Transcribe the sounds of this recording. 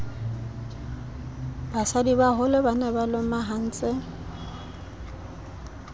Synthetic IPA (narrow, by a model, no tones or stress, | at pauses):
basadibaɦʊlɪbanɛbalomaɦan̩ːt͡sʼɪ